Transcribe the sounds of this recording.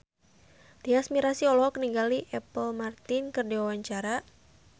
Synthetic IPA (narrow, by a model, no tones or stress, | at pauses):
d̪̥iasmiɾasiɔlɔɦɔkəniŋɡaliʔɛpəlmart̪ɪnkɨrdiwawaɲt͡ʃaɾa